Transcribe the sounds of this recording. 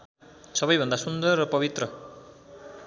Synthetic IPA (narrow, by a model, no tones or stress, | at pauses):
sʌβʌjbʱʌnd̪asund̪ʌrːʌpʌbit̪rʌ